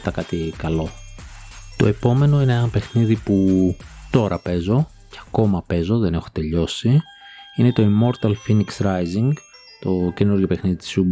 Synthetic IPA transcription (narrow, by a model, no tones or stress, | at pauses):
t̪ɐkɐt̪ikɐlo̞ | t̪o̞̰e̞po̞me̞no̞ineenɐpe̞xniðiput̪o̞ɾɐpe̞zo̞ | ceɐko̞mɐpe̞zo̞ðe̞ne̞xo̞̥t̪e̞ʎo̞si | ine̞t̪o̞imo̞ɾt̪ɐlfiniksɾɐjziŋɡ | t̪o̞ce̞nuɾʝopexniðit̪i̥sub